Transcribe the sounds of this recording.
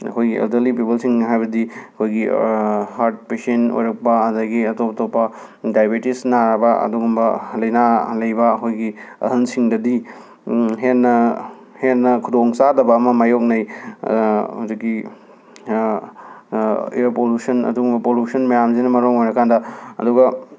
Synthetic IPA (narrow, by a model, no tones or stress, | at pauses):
ɐ̰kʰojɡiʔḛltɐɾlipipɐlsiŋnɐɦajbɐdiɐkʰojɡihaɾt̚pesento̰jɾɐk̚pɐɐdɐɡiɐtopɐtopːɐ | dajbetisnaɾbɐɐ̰duɡumbɐlɐjnalɐjbɐːkʰojɡiɐ̰ɦɐnsiŋdɐdi | ɦenːɐ | henːɐkʰudoŋsadɐbɐːmɐmajok̚nɐj | ozɐkːi | ḭpolusɐnɐ̰duɡumbɐpolusɐnmɐjamzinɐmɐɾoŋojɾɐkʰandɐɐ̰duɡɐ